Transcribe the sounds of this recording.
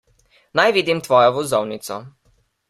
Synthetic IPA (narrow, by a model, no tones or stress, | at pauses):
najʋiːd̪imt̪ʋɔːjɔʋɔzɔwnit̪sɔ̰